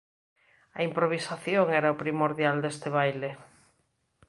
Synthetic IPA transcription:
aimpɾoβ̞isaθjoŋɛɾaopɾimoɾðjald̪est̪eβ̞ajle

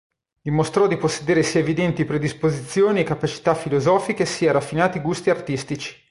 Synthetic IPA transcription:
d̪̥imost̪ɾɔd̪iposːed̪eːɾesiːaevid̪ɛnt̪ipɾed̪ispozit̪sːjoːniekːapat͡ʃi̥t̪afːilozɔːfikesiːaɾafːinaːt̪iɡust̪iart̪ist̪it͡ʃi̥

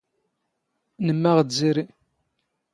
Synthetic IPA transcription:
nəmːæʁziɾi

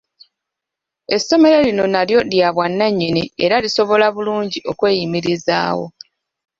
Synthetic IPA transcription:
e̞sːo̞me̞ɾelino̞naljo̞djaβwanːaɲːineeɾaliso̞βo̞laβuluːɲɟio̞kwe̞ːjimiɾiza̰ːwo̞̰

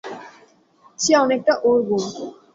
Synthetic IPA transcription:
t͡ɕʰiɔnek̚ʈaʔoɾɡo

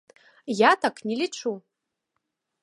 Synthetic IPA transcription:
jatʰakʰʼnilʲiʈ͡ʂʰu

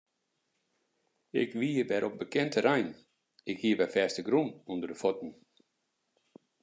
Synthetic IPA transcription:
ɪ̰kʋiːərʋɛɾʔɔp̚bəkɛntʰəɾɛjn | ɪkhiəʋɛfɛːstəɡɾunundərdəfɔtn̩

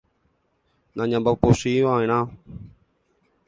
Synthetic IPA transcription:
nãɲãmbaposiʋãẽɾ̃ã

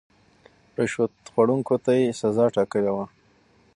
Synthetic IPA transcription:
pɾeʃot̪xwaɽuŋkot̪ajesazɑʈɑkəlewa

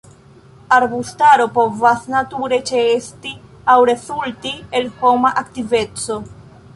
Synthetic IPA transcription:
aɾbustaɾo̞po̞vasnatuɾe̞t͡ʃesti | awɾe̞zultie̞lho̞maʔaktive̞t͡so̞

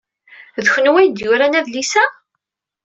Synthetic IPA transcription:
ðçənwæjd̪jʊɾænæðlisæ

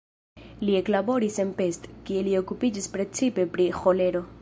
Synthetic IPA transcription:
lie̞klabo̞ɾise̞npe̞stkie̞lio̞kupid͡ʒispɾe̞t͡sipe̞pɾixo̞le̞ɾo̞

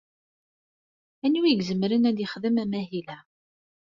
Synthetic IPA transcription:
ænuiɡzəmɾənæd̪ɪχðəmæmæɦilæ

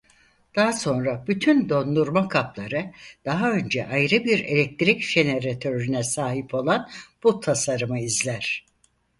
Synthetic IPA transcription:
d̪̥aɦaso̞nɾabyt̪ʰynd̪o̞nd̪uɾmakʰaplˠaɾɯd̪̥aɦaø̞nd͡ʒɛ̰ʔajɾɯbiɾe̞̰lʲɛk̚t̪ɾicʒ̥e̞ne̞ɾat̪ʰøɾynɛsaːɦipʰo̞lˠanb̥ut̪ʰasaɾɯmɯizlʲæɾ̥

